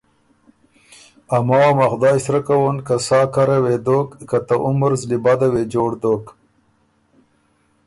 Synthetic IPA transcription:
amawamaxd̪ɑːɕsɾakawonkasɑːkaɾawed̪okkat̪aʔʊməɾzlibad̪awed͡ʒoːɽd̪oːk

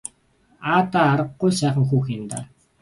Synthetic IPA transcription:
aːt̪aːɾə̆qːʊjsæːχə̆ŋxuːxɪnt̪aː

